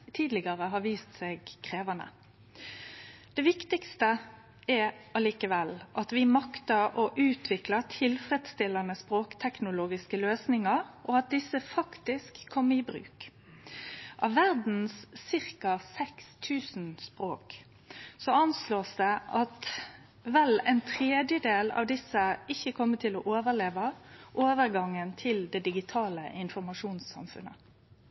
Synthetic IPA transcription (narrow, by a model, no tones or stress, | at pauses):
t̪ʰiːd̪lɪɡɑɾəɦɑʋiːst̪sɛɡkʰʁeːʋɑnə̰ | d̪̥ɛʋɪkt̪ɪkst̪ə | ɛɾɑliːkəʋɛlʔɑt̪ʋɪmɑkt̪ɑɔʔʉːt̪ʰʋɪklɑt̪ʰɪlfɾɛd̪st̪ɪlɑnəspɾoːkt̪ʰɛknʊloːɡɪskəløːsnɪŋɑɾʔɔɑt̪̚d̪ɪsːəfɑkt̪ɪskʰːɔmɪbɾʉ̰ːk | ʔɑʋːæʁd̪n̩sːɪʁkɑsɛkst̪ʰʉːsnspʁoːk | sɔɑnsloːsd̪ɛʔɑt̪ | ʋɛlɛɪnt̪ʰʁeːd̪jəd̪eːlɑ̰ʋd̪ɪsːəɪçːəkʰɔmːət̪ʰɪlɔʔoːʋəʁleːʋɑʔoːʋəʁɡɑŋːənt̪ʰɪld̪ɛd̪ɪɡɪt̪ʰɑːləʔɪnfɔʁmɑʂuːnsɑ̰mfʉ̰nə̰